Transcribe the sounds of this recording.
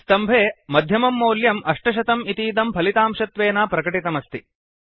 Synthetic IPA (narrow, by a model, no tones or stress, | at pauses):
st̪ɐmbʱeːmɐd̪ʱjɐmɐmːoːljɐmʔɐʂʈɐʃ̬ɐt̪ɐmit̪iːd̪ɐmpʰɐlit̪aːmʂɐt̪ʋeːnaːpɾɐkɐʈit̪ɐmɐst̪i